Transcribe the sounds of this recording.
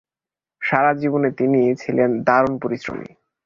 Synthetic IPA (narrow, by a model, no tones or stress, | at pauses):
ʃaɾad͡ʑibonet̪init͡ɕʰilend̪aɾonpoɾisɾo̰mḭ